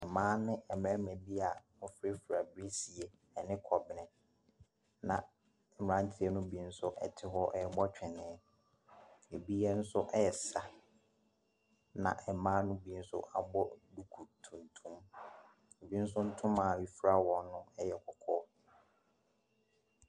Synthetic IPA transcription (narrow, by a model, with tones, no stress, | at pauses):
ɛ˨mãː˦nɪ̃˦ʔɛ˨mæ̃˦mɛ̃˨bi˦a˨mʊ˨fɪ˦ɪ˦fɾa˨bɪ˦ɾi˦si˨ɛ˨ | ɛ˨nɪ̃˦kʰɔ˨bɪ˨nɪ̃˨ | nã̰˨ | mɪ˨ã˦n˦tʰɪ˦ɛ˦nʊ̃˦bi˦n̩˦sʊ˦ʔɛ̰˨tʰɪ˦ɦɔ˦ʔɛ˦˨˦bɔ˦t͡ɕᶣɛ˨nɪ̃˨˦ | e˨bi˦ɛ˦n̩˦sʊ˦ʔɛ˦ɛ˨sa˨ | nã̰˨ʔɛ˨mãː˦nʊ̃˦bi˦n̩˦sʊ̰˦ʔa̰˨bɔ˦du˨kʰu˨tʰũ˨n˨tʰũ˦m˨ | bi˦n̩˦s̬ʊ˦n̩˦tʰʊ̃˦ma˨wi˨fɾa˨wɔ̃˨nʊ̃˦ɛ˦jɛ˦kʰɔ˨kʰɔː˦